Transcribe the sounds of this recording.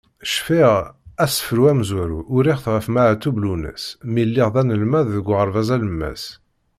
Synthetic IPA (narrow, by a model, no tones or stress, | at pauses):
ʃfiʁæsə̥fɾuæmzwæɾuʔʊɾiχəθʁəfmæʕt̪ːublunə̰smilːɪʁðˤænəlmæððəɡʷʁəɾˤvæzæləmːæ̰s